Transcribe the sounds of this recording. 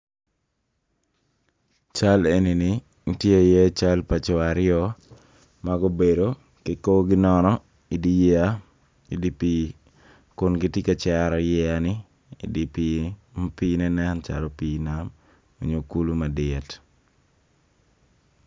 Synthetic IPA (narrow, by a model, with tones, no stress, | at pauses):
t͡ʃa˦le˦ni˨nɪ | ŋ̩˦tje˦jɛ˦t͡ʃa˦lpa˨t͡ʃɔ˨aɾɪɔ˦ | maɡo˦be˨do˨ | ke˨ko˦ɡɪ˦nɔnɔ˦ | i˨di˦ja˦ | i˨di˦pi˦ | kʊ˨nɡɪ˦ti˦ket͡ʃa˦ɾɔ˨jɛ˦anɪ˦ | ḭ˨di˨pimpi˦nɛ˦nɛ˦nt͡ʃa̰lɔ˨piːnam | o˨ɲo˨ku˦lu˦ma˨dɪ˨ɛ˨t